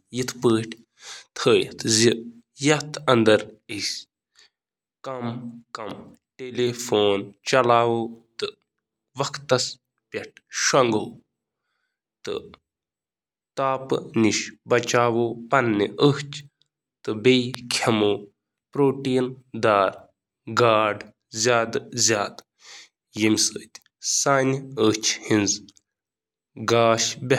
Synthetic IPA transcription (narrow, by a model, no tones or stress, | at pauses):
jit̪ʰpəːʈʰ | t̪ʰəːjt̪ʰzi | jɐt̪ʰɐnd̪ɐɾis | kɐmkɐm | ʈeleːfoːnt͡ʃɐlaːʋoːt̪ɨ | ʋɐkʰt̪ːɐs | pʲeʈ̚ʰʃɐŋɡoː | t̪ɨ̰ | t̪aːpɨniʃbɐt͡ʃaːʋoːpɐnːiʔəht͡ʃʰ | t̪ɨbejkʰɐmoː | pɾoːʈiːnd̪aːɾ | ɡaːɖ | zʲjaːd̪zʲjaːd̪ | jimʲsəːt̪ʲ | saːnʲət͡ʃʰhinz | ɡaːʃbʲe